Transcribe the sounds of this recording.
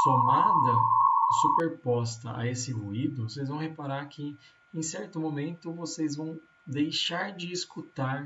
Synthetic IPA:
t̪onad̪ɐsupeɾpɔst̪ɐʔa̰esɪɦuid̪ʊosejzvɐ̃w̃hepaɾaɾkʰɪ | ẽj̃sɛɾt̪ʊmomẽnt̪ʊvosezvɐ̃w̃ | d̪ejʃaɾd͡ʒɪːskut̪aɾ

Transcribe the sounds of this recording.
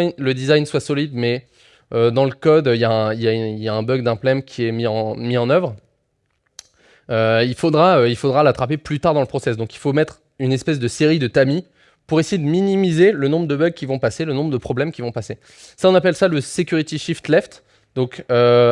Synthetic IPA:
ləd̪izajnswasɔlid̪mɛ | ød̪ɑ̃ləkɔd̪øijaɛ̃iljailjaɛ̃bœɡ̚d̪ɛ̃plɛmkʲʰiɛmiɑ̃miɑ̃nœvʁ | øilfod̪ʁaøilfod̪ʁalat̪χapeplyt̪aʁd̪ɑ̃ləpχɔsɛsd̪ɔ̃ki̥lfomɛt̪χ | ynɛspɛs̬d̪əseʁid̪ət̪ami | puʁesejed̪əminimizelənɔ̃bʁəd̪əbœɡ̚kʲːivɔ̃paselənɔ̃bʁəd̪əpχɔblɛmkʲivɔ̃pase | saɔ̃napɛlsaləsekʲyʁit̪iʃift̪lɛft̪ | d̪ɔ̃kø

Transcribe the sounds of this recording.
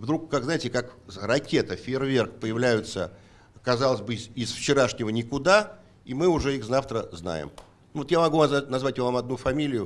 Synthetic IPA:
vd̪ɾukːakznaɪtʲɪkakrɐkʲe̞t̪əfʲɪrvʲerkpəjɪvlʲæjʊt̪sə | kɐzɑlˠəzʲbɨzɪsft͡ɕɪɾaʂnʲɪvənʲɪkʊd̪a | imɨʊʐɛixzaft̪ɾəzna̰jɪ̰m | nvot̪jamɐɡuvazanɐzvatʲɪvovamɐd̪nufɐmʲilʲɪjʊ

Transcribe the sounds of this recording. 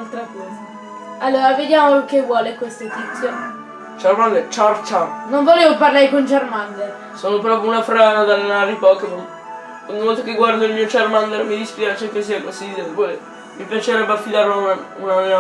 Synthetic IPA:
alt̪ɾakɔːza | alːoːɾaved̪jaːmolkːevwɔːlekwest̪oet̪it̪sːjo | t͡ʃaɾmand̪ɛt͡ʃaɾt͡ʃanoɱvoleːvoparlaːɾekont͡ʃarmand̪e | soːnopɾɔːpɾjounafɾaːnad̪alːenaɾipɔkːenom | kaɲumɔt̪okeɡward̪oilmiːot͡ʃarmand̪ɛɾmid̪ispjiɾat͡ʃekːes̬iakasid̪ebɔle | mipjat͡ʃeɾɛbːafid̪aːɾaunana

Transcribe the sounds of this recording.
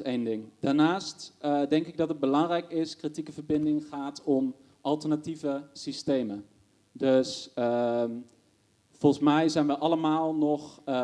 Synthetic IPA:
ejndɪŋdaːɹnaːstdɛŋkɪɡ̚dɑtəd̚bəlɑŋrɛjkɪskritikəvəɹbɪndɪŋχaːtɔm | ʔɑlˠtəɹnativəsistejmə | dɵsə | fɔlˠsmɛjzɛjnʋəʔɑləmaːlˠnɔχ

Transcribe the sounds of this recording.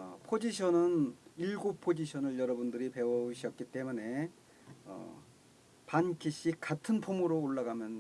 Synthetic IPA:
ʌpʰod͡ʑiɕʰʌnɯniɭɡopʰod͡ʑiɕʰʌnɯɭjʌɾʌbundɯɾipe̞oɕʰiʌt̚k͈it͈e̞mune̞ | ʌ̰ | pankʰiɕ͈ʰik͈atʰɯnpʰomɯɾoːɭːaɡamjʌn

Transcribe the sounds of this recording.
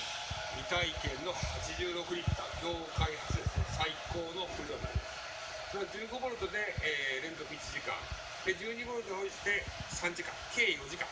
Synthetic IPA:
mʲit̪aikẽ̞nːo̞hat͡ɕiʑɨːɾo̞kɯ̟ɲit̪ːaɡʲo̞ːkaihat͡sɨsaiko̞ːno̞ɸɯɾonaɾʲimas | soɾod͡ʑɨːɡo̞bo̞ɾɯ̟t̪o̞d̪e̞ːɾẽ̞ŋzokɯ̟it͡ɕiʑikã̰ŋ | d̪ed͡ʑɨːɲ̟ibo̞ɾɯɲihõiɕi̥t̪e̞sãɲ̟d͡ʑikã̰ŋke̞ːjo̞ʑikã̰

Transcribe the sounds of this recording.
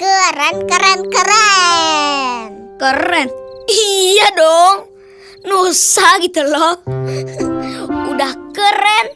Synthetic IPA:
kəɾankəɾankəɾa | nkəɾɛnijadɔŋ | nosaɡit̪ulɔ | udahkəɾɛn

